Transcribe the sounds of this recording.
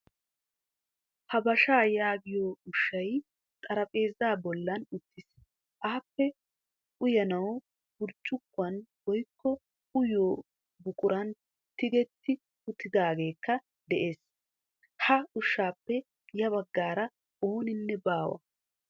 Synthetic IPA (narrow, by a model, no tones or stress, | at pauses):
hɐbɐʃaːjaːɡɪjoːʊʃːɐj | t̪ʼɐɾɐpʼe̞ːzaːbɔlːɐnʊt̪ːɪs | ʔaːpːɛ | ʊjɐnɐw | ɡʊɾt͡ʃʼːʊkːʊɐnwɔjkʰːɔ | ʊjoː | bʊkʼʊɾɐn | t̪ɪɡɛt̪ːɪ | ʊt̪ːɪd̪aːɡe̞ːkːɐ | d̪ɛʔeːs | hɐʊʃːaːpːɛ | jɐβɐɡːaːɾɐ | oːnɪnːɛbaːwɐ̰